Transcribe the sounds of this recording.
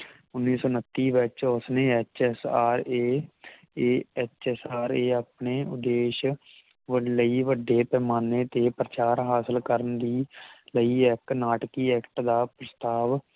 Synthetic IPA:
ʊnːiːsoːnət̪ːiːʋɪt͡ʃʊsneːɛt͡ʃɛsaːɾeː | eːɛt͡ʃɛsaːɾeːaːpɳeːʊd̪eːʃ | ʋələiːʋəɖːeːpɛːmaːneːt̪eːpɾət͡ʃaːɾɦaːsəlkəɾənd̪iːləiːɛːknaːʈkiːɛːkʈd̪aːpɾəst̪aːʋ

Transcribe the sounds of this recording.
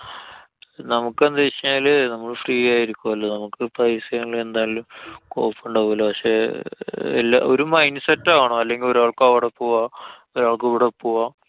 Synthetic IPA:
nɐmukːend̪ɐʋiɕɐaːlnɐmːɐɭfriːjaːjiɾikʲːumɐlːɐnɐmukːɨpɐjisjɐŋːɐɭe̞nd̪aːalumkoːpːuɳɖɐpoːlːɐpɐkʂe̞ | ḛlːa̰oɾumɐjnsɐtːaːɣɐɳoːɐlːe̞ŋɡilo̞ɾaːɭkaːʋiɽɐpːuːʋaː | oɾaːɭkɨʋiɽɐpːuʋaː

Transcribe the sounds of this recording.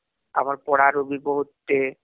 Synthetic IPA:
a̰maɾpɔɽaɾobibɔɦot̪ːe

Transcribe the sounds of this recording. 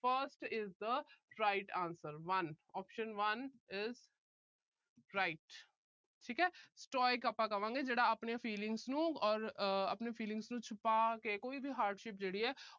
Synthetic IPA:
fəɾsʈɪzd̪əɾaɪʈãːnsəɾʋɐnɔːpʃə̃nʋɐnɪz | ɾaɪʈ | ʈʰiːkɦɛːsʈɔːjɪkɐpːakɐʋãːŋɡed͡ʒeːɽaɐpnefiːlɪ̃ŋɡznũɔːɾɐ̰pnefiːlɪ̃ŋsnũt͡ʃʰʊpakekoːibʱiɦaːɾɖʃɪpd͡ʒeːɽiɦɛː

